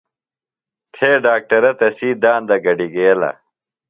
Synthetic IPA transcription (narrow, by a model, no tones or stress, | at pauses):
t̪ʰeːɖaːk̚ʈɐɾɐt̪ɐsiːd̪aːnd̪ɐɡɐɖiɡeɐlɐ̰